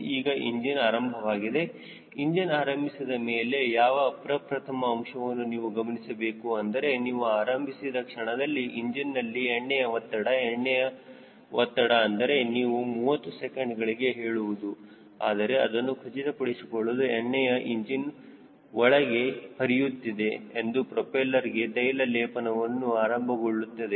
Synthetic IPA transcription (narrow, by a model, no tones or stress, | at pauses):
iːɡɐʔiɲd͡ʒinaːɾɐmbʱɐʋaːɡid̪e̞ | iɲd͡ʒinaːɾɐmbʱisid̪ɐmeːlejaːʋɐːpɾɐpɾɐt̪ʰɐmɐːmʂɐʋɐnːuniːʋuɡɐmɐnisɐbe̞ːkuɐnd̪ɐɾe̞niːʋuaːɾɐmbʱisid̪ɐkʂɐɳɐd̪ɐlːiʔiɲd͡ʒinːɐlːiɛɳːɛjɐʋɐt̪ːɐɽɐɛɳːɛjɐ | ʋɐt̪ːɐɽɐːnd̪ɐɾe̞niːʋumuːʋɐt̪ːusekeɳɖɡɐɭiɡe̞ɦe̞ːɭuʋud̪u | aːd̪ɐɾe̞ɐd̪ɐnːukʰɐt͡ʃit̪ɐpɐɽisikoɭːud̪ueɳːɛjɐʔiɲd͡ʒin | ʋɔɭɐɡe̞hɐɾijut̪ːid̪e̞ːnd̪upɾopeːlɐɾiɡe̞t̪ɐjlɐlɛːpɐnɐʋɐnːuaːɾɐmbʱɐɡoɭːut̪ːɐd̪e